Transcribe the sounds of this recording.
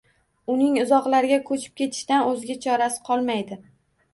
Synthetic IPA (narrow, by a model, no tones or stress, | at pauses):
ʊnɪŋʊzɒqlaɾɪɡʲakʰɵt͡ʃʰɪ̥p̚kʲe̞t̪ʰɪ̥ʃt̪anɵzɪɡʲat͡ʃʰɒɾasɪ̥qʰɒlˠmajd̪ɪ